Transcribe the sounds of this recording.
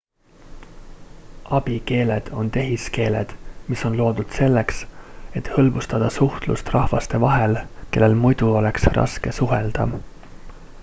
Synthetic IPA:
ʔɑb̥ike̞ːle̞d̪̥o̞nt̪e̞ɦiske̞ːle̞̰d̪̥miso̞nlo̞ːd̪ud̪̥se̞lːe̞kse̞t̪hɤ̞lbust̪ɑd̪̥ɑsuht̪lṵst̪rɑhvɑst̪e̞vɑɦe̞lke̞lːe̞lmujd̪̥uo̞le̞ksrʔɑ̰ske̞suɦe̞ld̪̥ɑ̰

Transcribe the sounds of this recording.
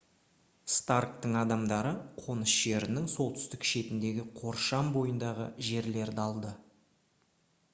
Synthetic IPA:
st̪ark̚t̪əɴɑd̪ɑmd̪ɑɾəqʰo̞nəsʒe̞ɾɪnɪŋso̞lˠt̪ʏ̥st̪ɪkʃe̞t̪ɪnd̪e̞ɡʲɪqʰo̞ɾʃɑmbo̞jənd̪ɑʁə̰ʒe̞ɾle̞ɾd̪ɪɑlˠd̪ə

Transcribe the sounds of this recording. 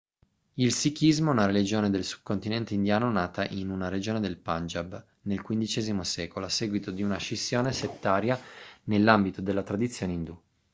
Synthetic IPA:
ilsikizmoɛunaɾelid͡ʒoːned̪elsu̥b̥̚kːont̪inɛnt̪eind̪jaːnonaːt̪aʔinunaɾed͡ʒoːned̪elpand͡ʒab | nelkwind̪it͡ʃɛːzimosɛːkoloasːeːɡwit̪od̪iunaʃisːjoːneset̪ːaːɾjanelːambit̪od̪elːat̪ɾad̪it̪sːjoːneind̪u

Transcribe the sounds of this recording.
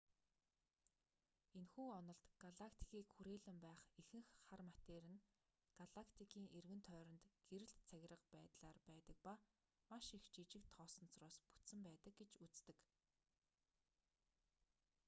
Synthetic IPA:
enxuːɔnɞ̆ɮt̪ɡ̥aɮakʰt̪ʰi̥kʰiːkxuɾeːɮɘ̆mpæːχexɘ̆ŋxːarmat̪eːɾɘ̆n | ɡ̥aɮakʰt̪ʰikʰiːŋʔerɣɘ̆nt̪ʰœːɾɞ̆nt̪ɡ̥eɾɘ̆ɮt̪t͡sʰæɣʲɪ̆rə̆qpæːt̪ɮaːrpæːt̪ə̆k̚pa | maʃixt͡ɕiːt͡ɕɪ̆k̚t̪ʰːɔːsɞ̆nt͡srʊːspu̥t̪sɘ̆mpæːt̪ə̆k̚ɡet͡ɕut͡st̪ɘ̆k

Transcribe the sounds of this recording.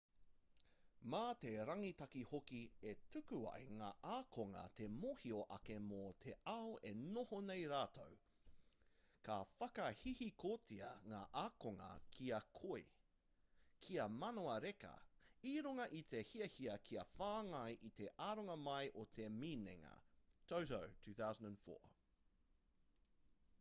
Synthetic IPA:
maːte̞ɾɐŋitɐkihokietʉkʉɐ̰jŋa̰ːʔaːkʰoŋɐ̰tʰe̞moːhioʔɐke̞motʰeaoʔenohonejɾaːtʰow | kʰafɐkɐhihikʰoːt͡siɐŋa̰ːʔaːkoŋɐ̰kʰiɐkʰoi | kʰiɐmɐnoɐɾekɐ̰iɾuŋɐʔit̪ʰe̞hiɐhiɐkʰiɐfaːŋɐjʔit̪e̞ʔaːɾoŋɐmɐjʔot̪ʰeminḛŋɐ̰tʰowtowtʰʉːθawzə̃nd̃nfo̰ːɹ

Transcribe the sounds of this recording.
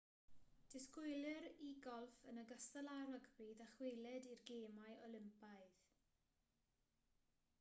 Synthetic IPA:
d̥ɪskʊjlˠɪɾiɡɔlˠfənəɡastəlˠaɾɔɡbiːðaχwejlˠɛdirɡeːmajʔɔlˠɪmpaɨð

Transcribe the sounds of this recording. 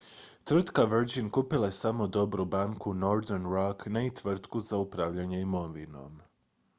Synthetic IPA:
t̪ʋr̩t̪kaʋr̩d͡ʒinkupilˠaesamod̪o̞bɾubaŋkunoɾd̪eɾnɾaknait̪ʋr̩t̪kuzaupɾaʋʎaɲeimoʋino̞̰m

